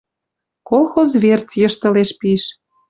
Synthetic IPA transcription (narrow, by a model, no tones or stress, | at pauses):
kolˠxozβert͡sjɤ̆ʃt̪ɤ̆leʃpiʃ